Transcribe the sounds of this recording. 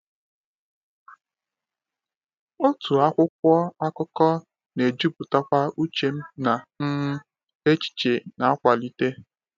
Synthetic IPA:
o˦tu˨a˦kʷʊ˦kʷɔ˦a˦kɔ˦kɔ˦ | ne˨d͡ʒu˦bʊ˨ta˦kʷa˦u˦t͡ʃe˨m̩˦na˨m̩˦m̩˦ | e˦t͡ʃi̥˨t͡ʃe˨na˨a˦kʷa˨li˦te˦

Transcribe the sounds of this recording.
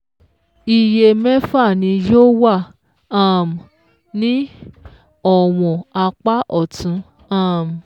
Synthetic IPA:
i˨je˧mɛ˦fa˦˨nĩ˧jo˦wa˦˨ | a˦˨m˨ | nĩ˦ | ɔ˨w̃ɔ̃˨a˧k͡pa˦ʔɔ˦˨tʰũ˨˧ | ã˦˨m˨

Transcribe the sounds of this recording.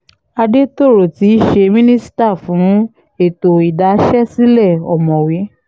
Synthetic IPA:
a˧de˦to˦˨ɾo˨ti˨˦i˦ʃe˧mĩ˦nĩ˦si̥˦ta˦˨fũ˨˦ | e˦˨to˨i˨da˨˦ʃɛ˦si˦lɛ˦˨ɔ̰˨mɔ̃˨we˨˦

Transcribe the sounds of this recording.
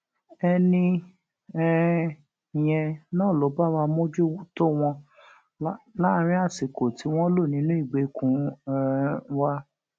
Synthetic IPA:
ɛ˧nĩ˧ | ɛ˦˨ | j̃ɛ̃˧nãː˦˨lo˨˦ba˦˨wa˧mo˦d͡ʒu˦to˦w̃ɔ̃˧˦ | la˦˨˦ɾ̃ĩ˦a˦˨si˨ko˨ti˨˦w̃ɔ̃˦lo˦˨nĩ˨˦nũ˦i˦˨ɡ͡be˨˦kũ˨˦˧ | wa˦

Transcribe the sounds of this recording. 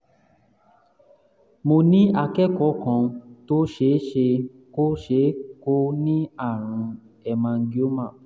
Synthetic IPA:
mo˧nĩ˦a˧kɛ˦kɔ˨˦kɔ̃˧˨to˦ʃe˨˦ʃe˧ | ko˦ʃe˨˦ko˦nĩ˦a˦˨ɾ̃ũ˨˧ | ɛ˧mã˧ŋ̩˦ɡi˦o˦mã˦˨

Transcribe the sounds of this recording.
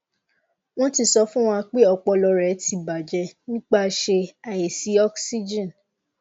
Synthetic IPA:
w̃ɔ̃˦ti˧sɔ˧˦fũ˦w̃ɔ̃˧k͡pe˦ɔ˧k͡pɔ˧lɔ˧ɾɛ˨˦tʰi˨˧ba˨d͡ʒɛ˧nĩ˦k͡pa˦˧ʃe˧a˨je˨si˨˦ɔ˦ksi˦d͡ʒĩ˦˨n

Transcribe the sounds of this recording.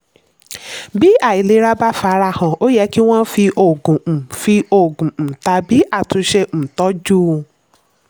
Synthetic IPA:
bi˦a˦˨i˨le˨˧˦ɾa˦ba˦fa˨˦ɾa˧˦˨hã˨o˦jɛ˧˦ki˦w̃ɔ̃˦fi˧ʔo˨ɡũ˨fi˧o˨ɡũ˨n̩˨ta˧bi˦ʔa˦˨tũ˧ʃe˧ñ̩˨tɔ˨˦d͡ʒu˦

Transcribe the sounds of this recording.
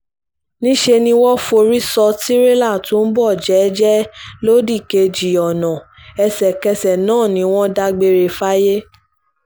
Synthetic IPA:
nĩ˦ʃe˧nĩ˧wɔ˦fo˧ɾi˦sɔ˧ti˦ɾe˦la˦˨tũ˨˦n̩˦bɔ˦˨d͡ʒɛ˨˦d͡ʒɛ˦lo˦di˦˨ke˧d͡ʒi˨ɔ˨nã˨ | ɛ˧sɛ˨kɛ˧sɛ˨nãː˦˨nĩ˨˦w̃ɔ̃˦da˧ɡ͡be˧ɾe˧fa˦je˦

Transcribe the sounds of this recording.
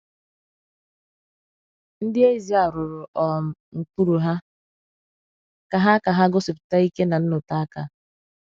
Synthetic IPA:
n̩˦dɪ˦e˦zi˨a˨ɾʊ˨ɾʊ˨ʔɔ˨m̩˨ | ŋ̩˨k͡pu˦ɾu˨ɦa˦ | ka˨ɦa˦ka˨ɦa˦ɡʊ˦sɪ˨pʊ̥˨ta˦i˦ke˦na˨n̩˦nʊ˨ta˦a˦ka̰˨

